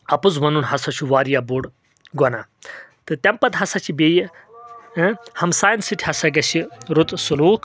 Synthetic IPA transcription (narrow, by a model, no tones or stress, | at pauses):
ɐpuzmɐnunɦɐsɐt͡ʃʰuʋaːɾjabuɽ | ɡɐnat̪ɨt̪ʲɐmpɐd̪ɦɐsɐt͡ʃʰibeːj | hɐmsaːjnsiʈʲʰiɦɐsɐɡɐsiɾut̪suluːkʰ